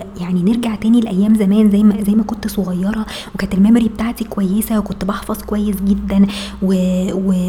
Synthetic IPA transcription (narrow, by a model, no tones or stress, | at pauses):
jaʕnineɾɡaʕt̪æːnilʔæjːæːmzæmæːnzæjːmæzæjːmækont̪sˤoɣɑjːɑɾˤɑ | wekæːnt̪elmæmɾibet̪aʕt̪ikowæjːesæwekont̪bɑħfɑzˤkowæjːesɡed̪ːænwewe